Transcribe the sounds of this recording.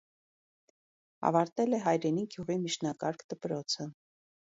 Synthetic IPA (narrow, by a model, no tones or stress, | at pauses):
ɑ̰vɑɾt̪ɛlɛɦɑjɾɛniɡjuʁimiʃnɑkɑɾkʰd̪̥əpɾɔt͡sʰə